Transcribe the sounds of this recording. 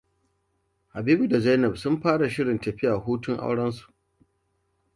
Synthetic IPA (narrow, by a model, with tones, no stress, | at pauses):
ha˨biː˦bu˨da˨za˦jnɐ˨bsʊ˦mɸaː˦ɽa˨ʃɪ˦ɽɪ˨ntɐ˨ɸɪ˦ja˨ɦuː˦tʊ˦ŋʔa̰˦wɽɐ˦ns̬u̥˨ʔ